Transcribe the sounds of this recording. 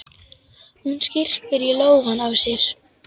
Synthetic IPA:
hunscɪr̥pɪɾiloːwɣanːavsjɛɾ̥

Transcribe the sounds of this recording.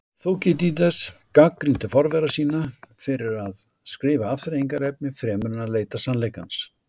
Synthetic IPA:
θowcɪt̪̬it̪̬ɛskakɾint̪ɪfɔɾvɛɾasiːnafɪɾɪɾað | skɾɪːvaaft̪ɪɾeːjŋkaɾɛp̚nɪfɾɛːmʏɾnaleːjt̪asanlejkans

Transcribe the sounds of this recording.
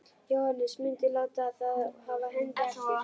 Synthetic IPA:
jowhanːɪsmɪɲcɪlaːwt̪aːθaðhavaɦʏŋk̪aɪ

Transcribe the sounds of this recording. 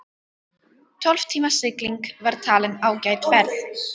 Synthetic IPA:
t̪ʰɔlv̥t̪ʰiːmasɪkliŋkvaɾ̥t̪ʰaːlɪnawcajt̪vɛɾð

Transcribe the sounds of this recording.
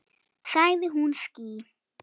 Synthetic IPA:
sajðiɦunskiː

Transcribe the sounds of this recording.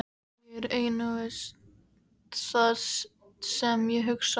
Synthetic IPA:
ɾeːjnʏvɪs | t̪θas | sɛmjɛɦʏks

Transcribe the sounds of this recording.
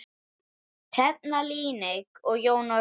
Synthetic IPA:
pʰɛt̪̚naliːnekɔɣjoːwna

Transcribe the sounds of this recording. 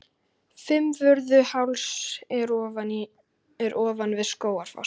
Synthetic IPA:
fɪmvʏɾðʏhawlsɛɾɔːvani | ɛɾʔɔːvanvɪðskoːwaɾ̥fa̰ws

